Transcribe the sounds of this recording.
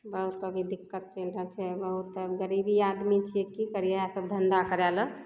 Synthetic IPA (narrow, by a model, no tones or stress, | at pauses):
bəɦut̪əbʱid̪ikːət̪̚t͡ʃenɾət͡ʃʰɛbəɦut̪əbɡəɾibiad̪mit͡ʃʰijekikəɾijeasəbd̪ʱənd̪akəɾɛlə